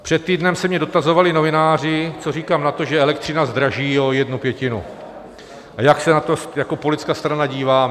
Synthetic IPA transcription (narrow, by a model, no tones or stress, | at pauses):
pr̥ɛt̪̚t̪ːiːdnɛmsɛmɲɛdo̞t̪azo̞valɪno̞vɪnaːr̝ɪt͡so̞riːkaːmnat̪o̞ʒɛɛlɛk̚t̪r̝̥ɪnazd̪ɾaʒiːo̞jɛdnupjɛcɪnṵ | ajaksɛnat̪ojako̞polɪt̪t͡skaːst̪ɾanaɟiːvaː